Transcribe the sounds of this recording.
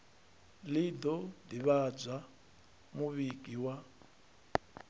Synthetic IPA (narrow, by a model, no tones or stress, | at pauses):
lid̪ɔdiβad͡za | muβikʼiwa